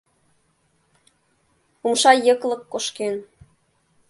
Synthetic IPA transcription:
umʃɑjɤ̆klɤ̆kːoʃken

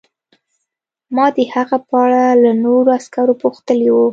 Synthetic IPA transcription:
mɑd̪əhaɣapəaɽalanoɾoaskaɾopuxt̪əliwu

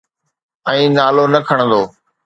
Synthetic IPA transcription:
ɛ̃ĩːnaːloːnəkʰəɳ̃nd̪oː

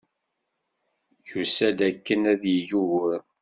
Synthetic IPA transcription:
çusæd̪ækːənæðjiʝuwəɾ

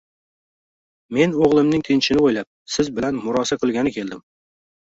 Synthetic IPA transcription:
me̞noʁlˠɪmnɪŋt̪ʰɪnt͡ʃʰɪnɪojlap̚sɪzbɪlanmʊɾɒsaqʰɨlˠɡʲanɪkʲe̞ld̪ɪm

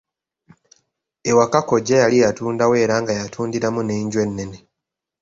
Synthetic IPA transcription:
ewakako̞ɟːejalijatuːndawe̞ːɾaːŋɡajatʰuːndiɾamuneːɲɟwe̞nːe̞ne̞

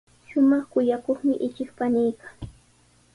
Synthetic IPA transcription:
ʃʊmɑχkʊjakoχmɪʔɪt͡ʃɪkpanɪjkaŋ

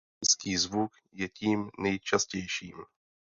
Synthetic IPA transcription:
ɪt͡skiːzvuk | jɛciːmnɛjt͡ʃascɛjʃiːm

